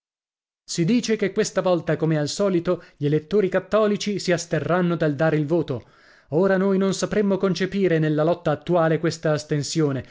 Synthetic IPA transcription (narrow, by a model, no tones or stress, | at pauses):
sid̪iːt͡ʃekekːwest̪avɔlt̪akomealsɔːlit̪oʎielet̪ːoːɾikat̪ːɔːlit͡ʃisiast̪erːanːod̪ald̪aːɾeilvoːt̪o | oːɾanojnonsapɾemːokont͡ʃepiːɾenelːalɔt̪ːaːt̪ːuaːlekwest̪aːst̪ensjoːne